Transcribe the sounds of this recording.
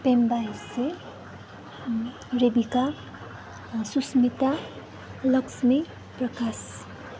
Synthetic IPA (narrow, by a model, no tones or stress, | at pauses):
pembajse | ɾebika | susmit̪a | lʌksʰmi | prʌkas